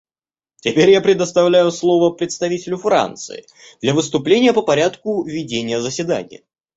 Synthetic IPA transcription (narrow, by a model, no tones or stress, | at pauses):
tʲɪpʲeɾʲjapɾʲɪd̪əst̪ɐvlʲæjʊslˠo̞vəpɾʲɪt̪st̪ɐvʲitʲɪlʲʊfɾa̰nt̪sɨ̰ɪ̰ | d̪lʲɐvɨst̪ʊplʲenʲɪjəpəpɐɾʲat̪kʊvʲɪdʲenʲɪjəzəsʲɪd̪a̰nʲɪ̰jə